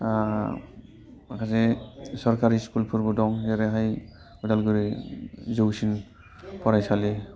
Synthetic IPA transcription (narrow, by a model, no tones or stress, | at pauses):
a | kʰazɛsɔɾkaɾiskulpʰuɾbudɔŋzɛɾɛɦaj | udalɡuɾizowsin | pɔɾajsali